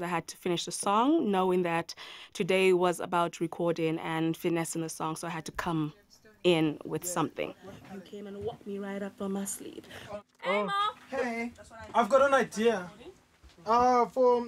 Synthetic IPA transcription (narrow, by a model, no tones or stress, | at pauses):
zaɪɦɨd̚tʰə̥fɪ̃nɪʃðəsɔ̃ŋnoʊɪ̃ŋðɨtʰːɨdeɪwʌzə̰baʊtʰəɹikʰɔɹɾɪ̃nɨ̃nfɪnɛsɨ̃n̩ðəsɔ̃ŋsoʊaɪɦɨd̚tʰəkʰʌ̃m | ɪ̃nwɪð̥sʌ̃mθɪ̰̃ŋjɨkʰẽɪ̃mɨ̃nwɔk̚miɹaɪɾʌpfə̃maslḭd̥ | ohe | aɪvɡɑɾə̃naɪdiə | ʌfə